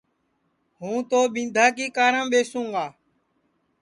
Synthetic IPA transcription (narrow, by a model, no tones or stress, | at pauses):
ɦũːt̪oːɓɪ̃nd̪ʱaːk̬iːkaːɾãːɓeːsũːŋɡaː